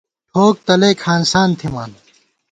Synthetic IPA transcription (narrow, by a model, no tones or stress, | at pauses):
ʈʰoːk̚t̪ɐleːkʰaːnsaːnt̪ʰimaːn